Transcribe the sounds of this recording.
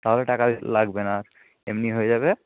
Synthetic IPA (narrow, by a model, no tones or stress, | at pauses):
t̪aɦoleʈakab̰laɡbena | emniɦojezaβe